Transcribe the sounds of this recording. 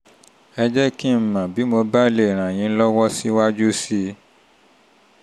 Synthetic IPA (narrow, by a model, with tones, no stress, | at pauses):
ɛ˧d͡ʒɛ˦ki˦˨m̩˨mã˨bi˨˦mo˧ba˦le˦˨ɾ̃ã˨j̃ĩ˨˧˦lɔ˦wɔ˦si˦wa˦d͡ʒu˦si˦